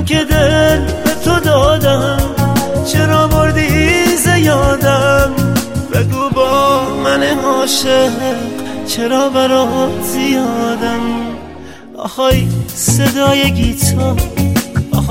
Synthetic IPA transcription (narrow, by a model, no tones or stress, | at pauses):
mkʰed̪elbet̪ʰod̪ɒːd̪æmt͡ʃʰeɾɒːboɾd̪izejɒːd̪æmbeɡubɔːmæneɦɒːʃeqt͡ʃʰeɾɒːbæɾɒzijɒːd̪æm | ʔɒ̰xɒjsed̪ɒːjeɡit̪ʰɒː